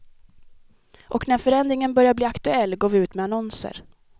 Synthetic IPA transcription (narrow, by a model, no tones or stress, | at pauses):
ʔɔknæɾfœɾɛnd̪ɾɪŋənbœɾjabliːakt̪ɵɛlːɡoːvɪʉ̟ːt̪mɛanɔnsə̰ɾ